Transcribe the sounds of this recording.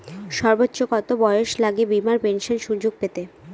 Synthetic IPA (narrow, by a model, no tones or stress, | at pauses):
ʃɔɾbotːɕokɔt̪obɔeoʃlaɡebimaɾpenʃonʃud͡ʑoɡ̚pet̪e